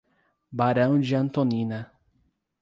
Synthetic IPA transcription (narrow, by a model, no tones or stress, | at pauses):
baɾɐ̃w̃d͡ʒɪɐ̃nt̪onĩnɐ